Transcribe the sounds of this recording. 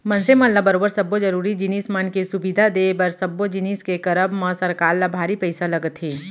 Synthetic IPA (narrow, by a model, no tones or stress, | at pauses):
mɐnsemɐ̃nlabɐɾoːbəɾsɐbːod͡ʒɐɾuːɾid͡ʒɪniːsmɐnkesʊbid̪ʱad̪eːbɐɾsɐbːod͡ʒɪniːskekɐɾəbmɐ̃sɐɾkaːɾlabʱaːɾipɛɪsalɐɡət̪ɦeː